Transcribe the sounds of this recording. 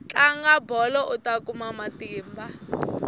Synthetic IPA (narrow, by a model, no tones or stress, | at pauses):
t͡ɬʼaŋɡabɔlɔʔutakʼumamatʼiːmbʱa